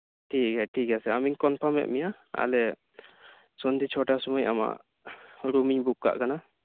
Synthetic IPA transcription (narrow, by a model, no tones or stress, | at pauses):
ʈʰikajʈʰikasɛamiŋkɔnpʰɔmɛ̰ʔmija | a̰lɛ | sɔnd̪it͡ʃʰɔʈasɔmɔja̰ma̰ʔ | ɾumiɲbukːa̰ʔkana